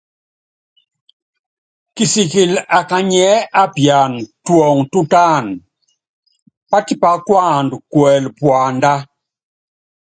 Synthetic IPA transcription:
ki˨si˨ki˨la˨ka˨ɲɛ˨˦a˦pja˨ntwɔ˨ŋtu˦ta˦˨n | pa˦ti˦pa˨˦kwa˦˨ndkwɛ˨lpwa˨nda˦

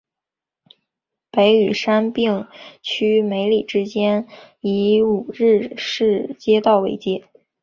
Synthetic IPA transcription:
pe˧˥ɪy˨˩ʂa˥npi˥˩ŋt͡ɕʰy˥me˧˥ɪli˨˩ʈ͡ʂɻ̩˥t͡ɕjɛ˥n | i˧˥u˨˩ɻɻ̩˥˧ʂɻ̩˥˩t͡ɕjɛ˥t̪ɑ˥˩ʊwe˧˥ɪt͡ɕjɛ˥˩

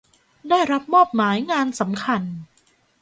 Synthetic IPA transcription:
daː˥˩jɾa˦˥p̚mɔː˥˩p̚maː˩˦jŋaː˧nsa˩˦mkʰa˧n

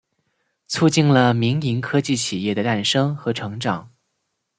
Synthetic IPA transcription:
t͡sʰu˥˧t͡ɕi˥˩nlə˩mi˧˥ŋi˧˥ŋkʰɤ˥t͡ɕi˥˩t͡ɕʰi˨˩jɛ˥˩d̪ə˩t̪a˥˩nʂɤ˥ŋxɤ˧˥ʈ͡ʂʰɤ˧˥ŋʈ͡ʂɑ˨˩˦ŋ

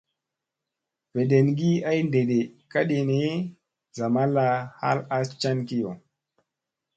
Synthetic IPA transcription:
v̥e˨ɗe˨nɡi˦a˦jnde˨ɗe˨ka˦ɗe˨ne˦ | za˨ma˦la˨ha̰˦la˦st͡ʃa˦nki˦jo˨

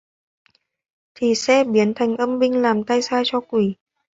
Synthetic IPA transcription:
t̪ʰi˨˩sɛ̰˧˥ɓi˨˦ənt̪ʰa˨˩jŋ̟ʔə˧mɓï˧ŋ̟laː˨˩mt̪a˧jsaː˧t͡ɕɔ˧kwi˧˩

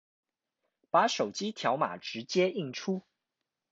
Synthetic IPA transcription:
pa˨˥˦ʂo˨˩ʊt͡ɕi˦˥t̪ʰjɑ˧˥ʊma̰˨˩ʈ͡ʂɻ̩˧˥˦t͡ɕjɛ˥i˥˩ŋʈ͡ʂʰu˥

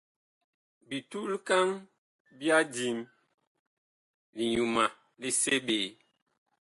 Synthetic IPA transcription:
bi˨tu˦lka˦ŋ | bja˦di˨˦m | li˨ɲu˨ma˨ | li˦se˦ɓe˨

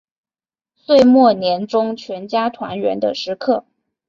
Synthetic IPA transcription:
swe˥˧ɪmwɔ˥˩njɛ˧˥nʈ͡ʂʊ˥ŋt͡ɕʰɥɛ˧˥nt͡ɕja˥t̪ʰwa̰˧˥nɥɛ̰˧˥nd̪ə̰˧ʂɻ̩˧˥kʰɤ˥˩

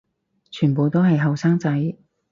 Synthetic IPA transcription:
t͡ʃʰyː˨˩npo˨˧wt̪o˥wɦɐ˨jɦɐ˨wsaː˥ŋt͡sɐ˨˥j

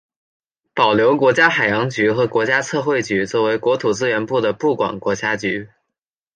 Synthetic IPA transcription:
pɑ˨˩ʊljo˧˥ʊkwɔ˧˥t͡ɕja˥xa˨˩ɪjɑ˧˥ŋt͡ɕy˧˥xɤ˧˥kwɔ˧˥t͡ɕja˥t͡sʰɤ˥˧xwe˥˩ɪt͡ɕy˧˥t͡swɔ˥˩we˧˥ɪkwɔ˧˥t̪ʰu˨˩t͡sɹ̩˥ɥɛ˧˥npu˥˩d̪ə˩pu˥˩kwa̰˨˩nkwɔ˧˥t͡ɕja˥t͡ɕy˧˥

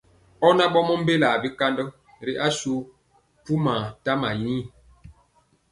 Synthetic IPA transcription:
ɔ˦na˦ɓɔ˦mɔ˦m̩˦be˦la˨bi˦ka˦ndɔ˦ | ɾi˨ʔa˦su˦ | pu˦ma˨ta˦ma˨jiː˦˨

